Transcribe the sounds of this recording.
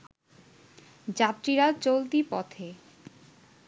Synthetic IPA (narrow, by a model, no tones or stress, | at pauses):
d͡ʑapɾiɾat͡ɕolt̪ipɔ̰t̪ʰe